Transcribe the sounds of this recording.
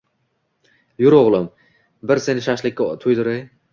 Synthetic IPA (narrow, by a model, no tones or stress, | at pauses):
jʊɾoʁlˠɪm | bɪɾse̞nɪʃaʃlɪkʲːat̪ʰʊjd̪ʊɾaj